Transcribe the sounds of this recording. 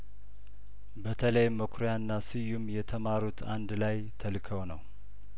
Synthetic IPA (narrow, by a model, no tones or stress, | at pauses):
bət̪ʰələjmːəkʰɾjanːasɨjːumjɛt̪ʰəmaɾut̪ʰand̪lajt̪ʰəlkʰəwnəw